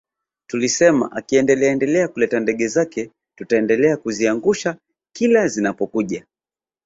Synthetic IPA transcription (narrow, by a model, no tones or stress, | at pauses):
tulisɛma̰ʔakiɛndɛlɛaɛndɛlɛakulɛtandɛɠɛzakɛ | tutaɛndɛlɛakuziaŋɡuʃa | kilazinapɔkuʄa